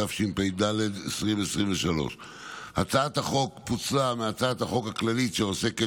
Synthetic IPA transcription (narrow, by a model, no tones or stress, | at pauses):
afʃimpejd̪aled̪esʁimesʁimveʃalo̞̰ʃ | hat͡sat̪haχo̞kput͡sameat͡sat̪haχo̞khaklalitʃeose̞ke